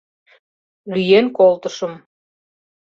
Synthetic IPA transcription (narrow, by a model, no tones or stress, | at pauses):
lyjenkolt̪əʃə̆m